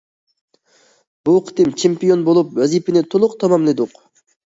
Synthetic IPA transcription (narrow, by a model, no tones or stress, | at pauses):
b̥uqʰi̥t̪imt͡ʃʰempʲijo̞nbolˠup̚wazipinet̪ʰolˠuq̚t̪ʰɑmamled̪uq